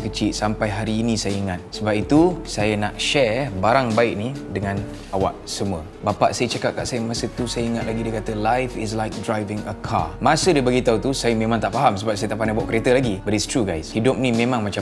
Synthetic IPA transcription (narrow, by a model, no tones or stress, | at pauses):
kət͡ʃisampajɦaɾiːnisajəiŋat̪̚səbap̚it̪usajənaʔʃɛbaɾaŋbaɪʔ̚nidəŋãn | awa̰ʔsəmuə | bapa̰ʔsajət͡ʃakat̚ka̰ʔsajəmasət̪usajəiŋat̪̚laɡidakat̪əlajfɪs̬lajk̚dɾajvɪŋəkʰa̰mãsədabaɡit̪aut̪usajəmẽmãŋt̪aʔfaɦamsəbap̚sajət̪aʔpanabɔʔkəɾet̪əlaɡibəɾistɾuɡajshidʊp̚nimẽmãŋmat͡ʃa